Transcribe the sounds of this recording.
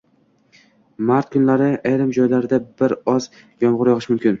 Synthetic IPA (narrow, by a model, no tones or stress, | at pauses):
maɾt̪̚kʰʊnlaɾɪajɾɪmd͡ʒɒjlaɾɪd̪abɪɾɒz̥ | jɒɴʁʊɾjɒʁɨʃmʊmkʲɪn